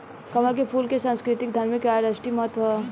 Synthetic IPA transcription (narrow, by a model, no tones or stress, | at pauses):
kɐməɾkepʰuːlkesãnskɾɪt̪ɪk̚d̪ʱɐɾmjəkaːɾɐʃʈimɐɦət̪ʋɐ